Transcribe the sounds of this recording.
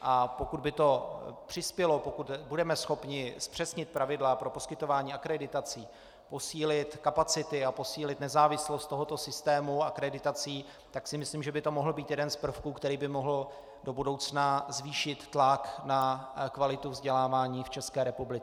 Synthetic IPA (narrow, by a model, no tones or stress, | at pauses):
ʔapo̞kud̪bɪt̪o̞pr̝̥ɪspjɛlopokut̪budɛmɛsxo̞pɲɪspr̥ɛsɲɪt̪̚pɾavɪdlapɾo̞poskɪt̪o̞vaːɲiːakɾɛdɪt̪at͡siː | po̞siːlɪt̪kapat͡sɪt̪ɪapo̞siːlɪt̪nɛzaːvɪslost̪t̪oɦot̪osɪst̪ɛːmuakɾɛdɪt̪at͡siː | t̪aksɪmɪsliːmʒɛbɪt̪o̞moɦl̩biːt̪jɛdɛnspr̩fkuːkt̪ɛɾiːbɪmoɦl̩ | do̞budowt͡snazviːʃɪt̪ːlaknakvalɪt̪uvzɟɛlaːvaːɲiːft͡ʃɛskɛːɾɛpublɪt͡sɪ